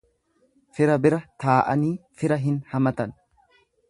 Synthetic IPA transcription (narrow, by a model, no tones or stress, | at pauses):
fɪɾɐbɪɾɐt̪aːʔɐ̰niːfɪɾɐɦɪnhɐmɐt̪ɐn